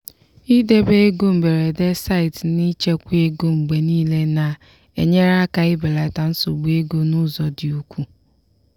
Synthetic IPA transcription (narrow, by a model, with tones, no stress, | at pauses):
i˦de˦be˦e˦ɡo˦m̩˨be˨ɾe˨de˦sa˦ɪ˨tni˦t͡ʃe˦kʷu˦e˦ɡo˦ŋ͡m̩˨ɡ͡be˨niː˦le˦na˨ | ḛ˨ɲe˦ɾa˦ka˨ɪ˦be˨la˨ta˨n̩˦so˨ɡ͡bu˦e˦ɡo˦nʊ˦zɔ˨dɪ˨u˦kʷu˦